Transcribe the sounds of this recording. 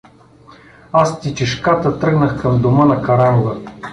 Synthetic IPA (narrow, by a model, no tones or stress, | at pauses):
ast̪it͡ʃiʃkat̪ət̪ɾɤɡnəxkɐmd̪ʊmɤnɐkɐɾamʊvə